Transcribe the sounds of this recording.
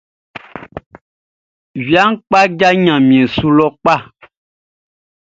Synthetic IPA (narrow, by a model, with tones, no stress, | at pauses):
vi˨a˦ŋ̩˦k͡pa˦d͡ʒa˦ɲã˨mĩ˨ẽ˨su˦lɔ˦k͡pa˦˨